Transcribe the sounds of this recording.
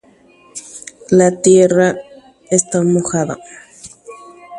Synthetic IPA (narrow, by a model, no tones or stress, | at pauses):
lat̪jera | est̪amoxaða̰